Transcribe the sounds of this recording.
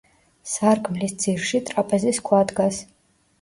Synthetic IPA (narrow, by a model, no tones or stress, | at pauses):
sarkʰʼmlisd̪d͡zirʃit̪ʼrapʼɛzɛskʷʰad̪ɡas